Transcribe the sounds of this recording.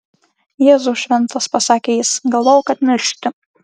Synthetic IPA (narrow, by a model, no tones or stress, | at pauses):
jeːzuʃʲʋʲɛnt̪ɐspɐsɑːkʲeːjɪsɡɐlˠʋoːjkɐt̪mʲɪɾʲʃʲt̪ʲɪ